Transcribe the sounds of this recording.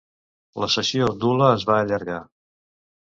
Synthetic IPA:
ləsəsiod̪uləːzβaːʎəɾɣa

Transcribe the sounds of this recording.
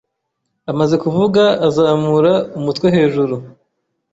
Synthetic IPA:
amaze̞kuvuɡaːzaːmuɾaumutwe̞ɦe̞ːʒuɾu

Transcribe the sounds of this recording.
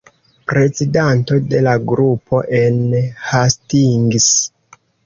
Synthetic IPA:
pɾe̞zidanto̞de̞laɡɾupo̞ʔenhastiŋɡis

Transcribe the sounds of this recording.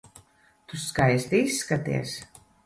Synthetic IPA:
t̪uskajst̪iisːkat̪ḭɛs

